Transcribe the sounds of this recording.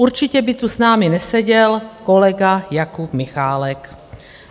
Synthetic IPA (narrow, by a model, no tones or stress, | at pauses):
uɾt͡ʃɪcɛbɪt̪usnaːmɪnɛsɛɟɛlkolɛɡajakupmɪxaːlɛk